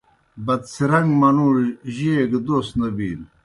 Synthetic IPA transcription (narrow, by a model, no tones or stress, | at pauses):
bɐt̪siɾɐŋɡmɐnuːɾʑeɡd̪oːst̪nɐbiːl